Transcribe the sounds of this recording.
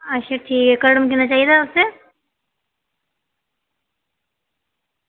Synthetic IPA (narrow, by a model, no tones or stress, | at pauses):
ɐʃeʈʰiːkɦɛkɐɽmkinat͡ʃaːɦijed̪aʊsːe